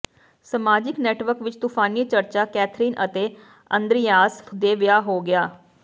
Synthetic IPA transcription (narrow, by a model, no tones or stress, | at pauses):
səmaːd͡ʒɪknɛːʈʋəɾkʋɪt͡ʃt̪uːpʰaːniːt͡ʃəɾt͡ʃaːkɛːt̪ʰɾiːnʔə̰t̪eː | ənd̪ɾɪjaːsd̪eːʋɪjaːɦoːɡɪaː